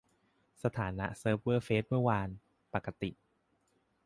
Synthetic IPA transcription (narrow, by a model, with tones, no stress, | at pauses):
sa˧t̪ʰaː˩˦na̰˦˥ʔsɤː˦˥p̚wɤː˥˩feː˦˥t̪̚mɯ˥˩əwaː˧n | pa˨˩kːa˧t̪i˨˩ʔ